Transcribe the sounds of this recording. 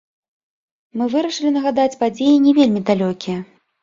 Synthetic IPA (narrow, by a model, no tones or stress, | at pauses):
mɨvɨɾɐʂɨlʲinɐɣad̪at͡sʲpad͡zʲejinʲɛvʲelʲmʲid̪alʲɔkʲijɛ